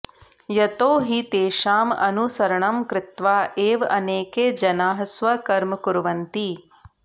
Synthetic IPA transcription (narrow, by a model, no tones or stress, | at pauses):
jɐt̪oːɦit̪eːʃaːmɐ̰nusɐɾɐɳɐmkɾɪt̪ʋaːʔeːʋɐneːkeːd͡ʒɐnaːɦɐsʋɐkɐɾmɐkuɾʋɐnt̪i